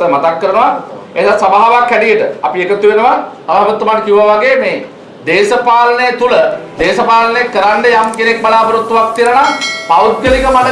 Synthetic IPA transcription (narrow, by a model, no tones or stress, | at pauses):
əmat̪akːəɾənəʋaeːsasabaɦaʋakːæɖijəʈəapiekət̪uʋenəʋasabaɦbət̪ːumaʈəkiuʋaʋaɡeːmeː | d̪eːsəpaːlənəjət̪uləd̪eːsəpaːlənjkːəɾaɳɖəjamkenek̚balaːpəɾut̪ːuʋak̚t̪ijələnapawt̪̚ɡəlikəmaʈə